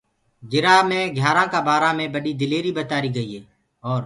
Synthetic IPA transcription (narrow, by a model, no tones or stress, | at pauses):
d͡ʒɪɾaːmẽːɡʱjaːɾãːkãːbaːɾãːmẽːbəɗiːd̪ɪleːɾiːɓət̪aːɾiːɡəiːɦeː | ɔːɾ